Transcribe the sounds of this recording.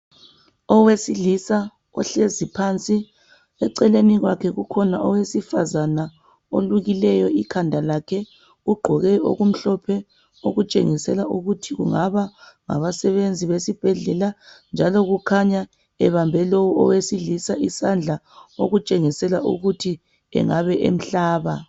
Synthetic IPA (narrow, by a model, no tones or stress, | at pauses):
ɔwesilisa | ɔɬezipʰant͡sʼi | ɛǀɛleniɣwakʰɛɣukʰɔnaʔɔwesifazana | olwuɣilɛjɔikʰandʱalakʰɛ | uɡ͡ǃʱɔɣɛo̰ɣum̩ɬɔpʰɛ | oɣut͡ʃʼḛŋisɛlaʔuɣutʰiɣṵŋaβaŋa̰βasɛβend͡zʱiβesib̥ʱɛɮɛland͡ʒʱalɔɣukʰaɲa | ɛβambʱɛlowuɔ̰wesilisaʔisand͡ɮʱa | oɣut͡ʃʼeŋisɛlaʔṵɣutʰi | ɛ̰ŋaβɛʔḛm̩ɬaːβa